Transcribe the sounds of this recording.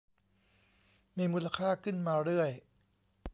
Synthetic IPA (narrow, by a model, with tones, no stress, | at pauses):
miː˧muː˧la˧kʰaː˥˩kʰɯ˥˩nmaː˧ɾɯ˥˩əj